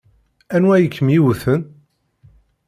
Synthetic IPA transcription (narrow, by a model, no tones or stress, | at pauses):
ænwæjəkʰːəmjiwθən